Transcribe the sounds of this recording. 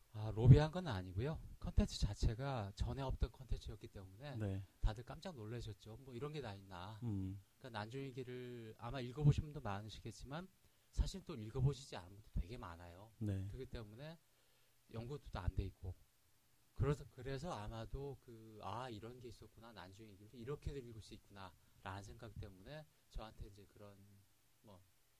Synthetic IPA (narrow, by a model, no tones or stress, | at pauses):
aɾobiɦanɡʌnnaɲiɡojokʰʌntʰe̞nt͡ɕʰɯ̥t͡ɕat͡ɕʰe̞ɡat͡ɕʌne̞ʌp̚t͈ʌnkʰʌntʰe̞nt͡ɕʰɯjʌtk͈it͈e̞mune̞ntadɯɭk͈amd͡ʑaŋnoɭːeɕʰʌt̚t͡ɕ͈omwʌiɾʌnɡe̞daɲinːa | ik͈anand͡ʑuŋiɡiɾɯɭa̰maiɭɡʌboɕʰimbundomanɯɕʰiɡe̞t̚t͡ɕ͈iman | sʰaɕʰiɾt͈oiɭɡʌboɕʰid͡ʑia̰nɯnɡʌt͈o̥twe̞ɡe̞ma̰najonekɾɯɡit͈e̞mune̞ | jʌŋɡudot͈oa̰nde̞it̚k͈o | kɯɾʌsʰʌkɯɾe̞sʰʌamadokɯaiɾʌnɡe̞is͈ʌt̚k͈unanand͡ʑuŋeɡiɭdoiɾʌkʰe̞dɯɾiɭɡoɭs͈uit̚k͈unaɾanɯnsʰeŋɡaɡit͈e̞mune̞ | t͡ɕʌɦantʰe̞ind͡ʑe̞kɯɾʌn | mʌ